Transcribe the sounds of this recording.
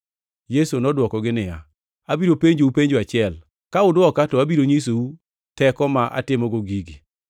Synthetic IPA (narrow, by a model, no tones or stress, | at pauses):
jesonɔdwɔkɔɡɪnɪja | abiɾopeɲd͡ʒoupeɲd͡ʒoat͡ʃɪɛl | kaʊdwɔkatɔabiɾoɲis̬ou | tɛkɔmaʔa̰tɪmɔɡoɡiɡi